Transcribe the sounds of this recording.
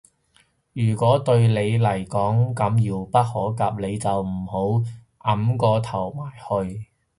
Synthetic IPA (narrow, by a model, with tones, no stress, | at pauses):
jyː˨˩kʷɔː˨˥t̪ɵ˧ɥle˨˧jlɐ˨˩jkɔː˨˥ŋkɐ˨˧mjiː˧wpɐ˥t̚hɔː˨˥kaː˧p̚le˨˧jt͡sɐ˨wm̩˨˩ho˨˥w | ʔɐ˨˥mkɔː˧t̪ʰɐ˨˩wmaː˨˩jhɵ˧ɥ